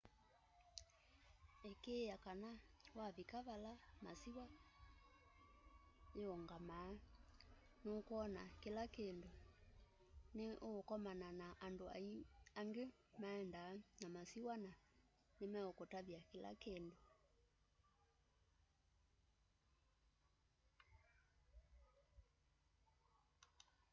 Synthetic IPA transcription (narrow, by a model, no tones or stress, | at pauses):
ɛkejakanawaβikaβalamasiwa | eoŋɡamaː | nokoɔnakelakendo | neʔokɔmananaʔːndoa̰iaŋɡe | maɛndaːnamasiwana | nemɛokotaðjakela̰kendo